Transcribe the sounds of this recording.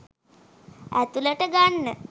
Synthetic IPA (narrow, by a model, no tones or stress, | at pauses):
æt̪uləʈəɡaɳːə